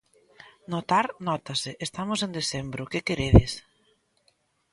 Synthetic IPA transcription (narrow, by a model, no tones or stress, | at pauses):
not̪aɾnɔt̪asɪʔest̪amʊsẽnd̪esembɾʊkɪkeɾeðɪs